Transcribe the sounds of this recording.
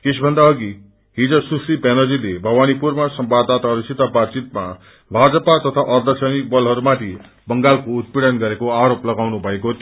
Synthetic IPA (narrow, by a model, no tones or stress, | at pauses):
kesʰbʱʌnd̪aʌɡi | ɦid͡zʌsusipenʌd͡zilebʱʌwanipurmasʌmbad̪ːat̪aɦʌɾusit̪abat̪t͡sit̪ma̰ | bʱad͡zʌpat̪ʌt̪ʰaʔʌrd̪ʌsʌnik̚bʌlɦʌɾumat̪ʰi | bʌŋɡalkout̪̚piɽʌnɡʌɾekoaɾoplʌɡawnubʱʌekot̪